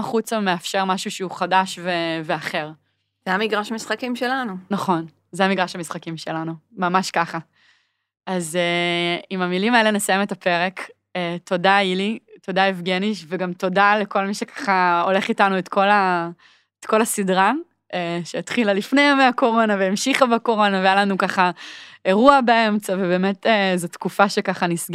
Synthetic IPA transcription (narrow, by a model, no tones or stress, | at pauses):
χut͡sameafʃe̞ʁmaʃuʃeuχadaʃveveaχe̞ʁ | z̥ɛamiɡʁaʃamisχakimʃelanunaχo̞n | zeamiɡʁaʃamisχakimʃelanumamaʃkaχa | azeimamilimaele̞nesajemetape̞ʁe̞k | eto̞dailito̞daefɡeniʃveɡamto̞daleko̞lmiʃekḁχao̞le̞χitanuetkʰo̞la | etko̞lasidʁa | eʃeːtχilalifne̞jameako̞ʁo̞naveːmʃiχabako̞ʁo̞navejalanukaχae̞ʁuabee̞mt͡savebe̞ːme̞tezotkufaʃe̞kaχanisɡ